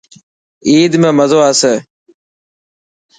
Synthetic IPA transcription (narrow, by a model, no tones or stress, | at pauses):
iːd̪mẽːməzoːaseː